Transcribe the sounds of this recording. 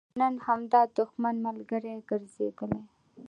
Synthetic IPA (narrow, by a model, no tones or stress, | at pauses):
nənhamd̪ɑd̪ʊxmanmalɡəɾeɡəɾzḛɡəme